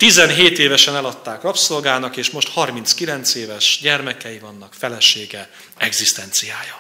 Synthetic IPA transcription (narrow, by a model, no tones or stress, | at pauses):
t̪izɛnɦeːt̪eːvɛʃɛnɛlɒt̪ːaːkrɒpso̞lɡaːnɒkeːʃmo̞ʃt̪hɒrmint̪skilɛnt̪seːvɛʃɟɛrmɛkɛjivɒnːɒkfɛlɛʃeːɡɛ | ɛɡzist̪ɛnt̪sijaːjɒ